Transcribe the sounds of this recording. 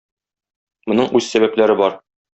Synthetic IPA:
mŏnɤɴʔʉzsæbæplæɾɘbɒɾ

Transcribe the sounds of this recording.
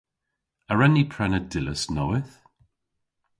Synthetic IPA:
əɹɛnːipʰɹɛnədɪləsnɔwɪθ

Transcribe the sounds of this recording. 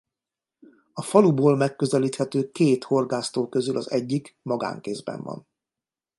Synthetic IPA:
ɒfɒluboːlmɛkːøzɛliːt̪hɛt̪øːkeːt̪ho̞rɡaːst̪oːkø̞zylʔɒzɛɟːikmɒɡa̰ːŋkeːzbɛ̰ɱvɒ̰n

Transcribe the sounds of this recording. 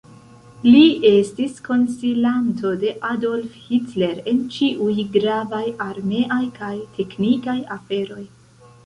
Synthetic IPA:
lie̞stisko̞nsilanto̞de̞ʔado̞lfhitle̞ɾe̞nt͡ʃiʔujɡɾavajaɾme̞ʔajkajtʰe̞knikajafe̞ɾo̞j

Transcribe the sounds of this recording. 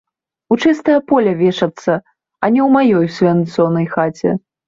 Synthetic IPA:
ut͡ʂɨst̪ɐjɐpɔlʲɐvʲɛʂɐt̪sːɐ | ɐnʲɛwmajɔjsʲvʲant̪sɔnɐjxat͡sʲɛ̰

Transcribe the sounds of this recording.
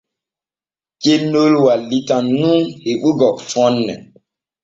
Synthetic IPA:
kenolwalitãnũŋheɓuɡɔfɔnːɛ̰

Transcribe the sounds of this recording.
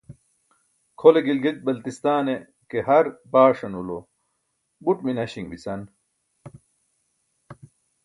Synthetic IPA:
kʰoleɡilɡek̚bɐlt̪ist̪aːne | kehɐɾbaːʂɐnulo | buʈminɐɕiŋbisɐn

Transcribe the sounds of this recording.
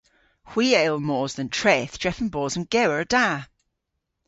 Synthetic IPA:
hw̥iːeɪlˠmɔːzðə̃ntʰɹ̥ɛθd̥ʒ̥ɹ̥ɛfə̃nbɔːzə̃mɡ̥ɛwəɹəd̥a

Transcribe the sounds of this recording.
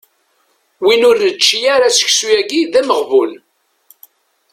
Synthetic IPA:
winʊɾːət͡ʃːijaɾasə̥çsujæɡiðæməʁvul

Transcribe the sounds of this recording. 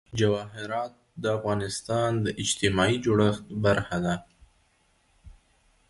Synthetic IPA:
d͡ʒawɑɦɪɾɑt̪̚d̪əafɣɑnɪst̪ɑnd̪əʔɪd͡ʒt̪ɪmɑid͡ʒoɽəxt̪baɾxad̪a

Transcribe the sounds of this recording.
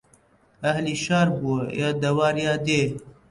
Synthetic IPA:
ɐhliʃɑːɾbuəjaːd̪ɐwɑːɾjɑːd̪eː

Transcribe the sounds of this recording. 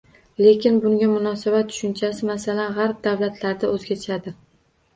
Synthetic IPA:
le̞kʲɪnbʊŋɡʲamʊnɒsabat̪ːʰʊ̥ʃʊnt͡ʃʰasɪmasalanʁaɾp̚d̪awlat̪ʰlaɾd̪aɵzɡʲat͡ʃʰad̪ɪ

